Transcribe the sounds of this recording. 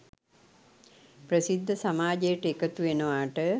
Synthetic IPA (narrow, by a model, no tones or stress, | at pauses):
prəsid̪ʱːəsamaːd͡ʒejəʈəekət̪uʋenəʋaːʈə